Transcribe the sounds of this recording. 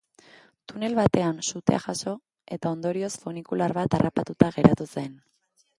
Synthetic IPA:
t̪une̞lβat̪e̞ansut̪e̞a̰ʝaso̞ | e̞t̪ao̞nd̪o̞ɾio̞sfonikulaɾβat̪arapat̪ut̪aɣe̞ɾat̪use̞n

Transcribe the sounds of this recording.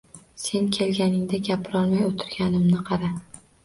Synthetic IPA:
se̞nkʲʰe̞lɡʲanɪŋd̪aɡʲapʰɪɾɒlˠmajot̪ʰɪɾɡʲanɪmnɪqʰɑɾa

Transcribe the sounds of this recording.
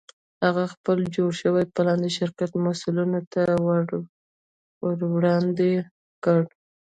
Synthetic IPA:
haɣaxpəld͡ʒoɽʃəwajpəlɑnd̪əʃɪɾkat̪masulunot̪awa | wəɾwɽɑnd̪e | kəɽ

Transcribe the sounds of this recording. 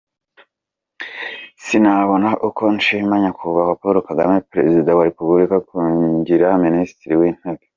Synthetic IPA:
sinaβo̞naʔukʰo̞nʃimaɲakʰuβakwapoɾokadamepɾe̞̰zidawaɾe̞publikakuːɟiɾaministɾiwin̥eɡe

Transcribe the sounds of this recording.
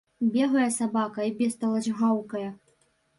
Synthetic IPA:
bʲɛɣɐjɐsabakɐibʲɛst̪ɐlˠɐd͡ʑɣawkɐjɐ

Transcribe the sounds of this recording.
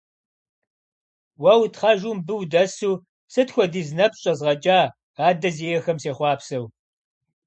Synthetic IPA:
wɐwtχɐʒumbɨwdɐsuː | sɨtxʷɔdiːznɐpɕʼɐzʁɐt͡ʃʼaː | aːdɐzejɛxɐmseːχʷɑːpsɐw

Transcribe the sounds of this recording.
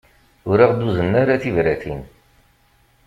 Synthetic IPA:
ʊɾiʁd̪uzənːaɾaθivɾæθin

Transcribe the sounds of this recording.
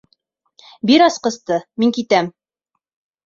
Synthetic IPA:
biɾɑsqɤ̆st̪ɤmiŋkit̪æm

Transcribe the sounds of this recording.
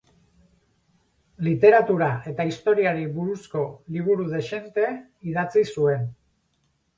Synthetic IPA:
lit̪e̞ɾat̪uɾaʔe̞t̪aist̪o̞ɾiaɾiβuɾusko̞liβ̞uɾuðe̞ʃe̞nt̪e̞ | iðat͡sisue̞n

